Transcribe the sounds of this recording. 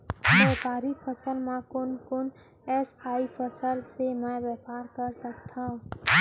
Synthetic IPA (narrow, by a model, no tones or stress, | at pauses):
bɛːpaːɾipʰəsəlmãkʊnkʊn | ɛsaːipʰəsəlsemɛ̃ʋjɛpaːɾkəɾsək̚t̪ʰãũ